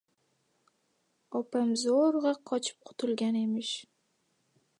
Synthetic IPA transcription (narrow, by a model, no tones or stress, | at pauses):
ɒpamzoɾʁɑqʰɒt͡ʃʰɪ̥p̚qʰʊ̥t̪ʰʊlɡʲane̞mɪʃ